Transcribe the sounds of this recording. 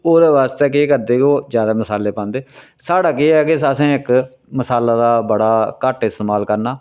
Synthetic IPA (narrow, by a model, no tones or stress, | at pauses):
oːɾʋaːst̪ɛːk̬eːkəɾd̪eːkoːd͡ʒjaːd̪aːməsaːleːpãːnd̪eː | saːɽaːkeːɛːkesəsẽːɪk | məsaːlaːd̪aːbəɽaːkəʈɪst̪eːmaːlkəɾnaː